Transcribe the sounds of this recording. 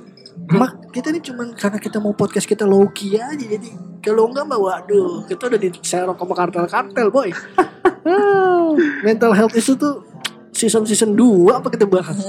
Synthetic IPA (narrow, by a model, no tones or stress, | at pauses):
mahkit̪anit͡ʃumankarnakit̪amaupɔt̪̚kaskit̪alokiad͡ʒad͡ʒadikaloŋɡamawadokit̪audadisaɾɔkamakart̪ɛlkart̪ɛlboj | mɛnt̪alɦɛlt̪it̪ut̪u | sisəmsisənduaːpakit̪abaɦan